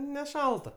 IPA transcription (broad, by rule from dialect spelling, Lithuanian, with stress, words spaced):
nʲɛˈʃɐlˠtɐ